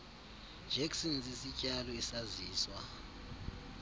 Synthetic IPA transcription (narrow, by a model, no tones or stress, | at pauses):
d͡ʒʱɛksɔnsisicʼalɔisaziːswa